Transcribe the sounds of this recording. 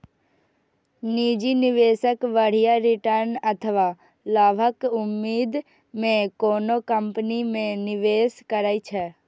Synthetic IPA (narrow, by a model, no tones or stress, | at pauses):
niːd͡ʒinɪʋeːsəkʋəɽ̤ijaɾɪʈəɾnɐt̪ʰəʋa | laːbʱəkʊmːiːd̪ | mẽkoːnokəmpnimẽnɪʋeːskəɾaːit͡ʃʰɛ